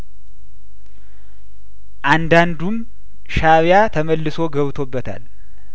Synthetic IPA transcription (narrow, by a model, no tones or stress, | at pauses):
ʔand̪and̪um | ʃaβjat̪ʰəməlːɨso̞ɡəβt̪ʰo̞bːət̪ʰa̰l